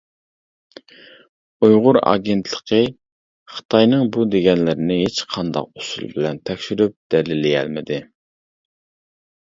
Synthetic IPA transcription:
ujʁʊɾɑ̰ːɡʲent̪ʰlˠə̥qʰə | χə̥t̪ʰɑjnɨŋbud̪eɡʲɛnlɪɾɪnɪɦet͡ʃqʰɑnd̪ɑ̰qʊsṵlˠbɪlɛnt̪ʰɛkʲʃyɾyp̚d̪̥ɛlɪlɪjɛ̰lmɪd̪ɪ

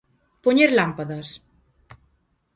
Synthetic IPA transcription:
poɲeɾlampaðɐs

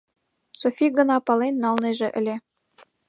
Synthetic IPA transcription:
sofʲiɡɤ̆nɑpɑlˠenːɑlˠneʒĕʔɘ̆lʲe

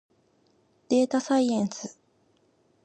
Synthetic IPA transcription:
d̪̥e̞ːt̪asaiẽnsɨ

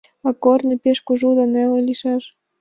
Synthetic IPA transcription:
ɑkornɤ̆pʲeʃkuʒud̪ɑnelĕliʃɑʃ

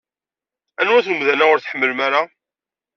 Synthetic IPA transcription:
ænwæθnəmðænæʊɾθħəmːəlmaɾa

